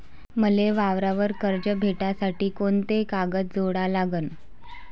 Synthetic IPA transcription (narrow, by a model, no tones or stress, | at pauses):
məleʋaʋɾaʋəɾkəɾd͡ʑəbʱeʈasaʈiːkont̪ekaɡət̪̚d͡zoɽalaɡən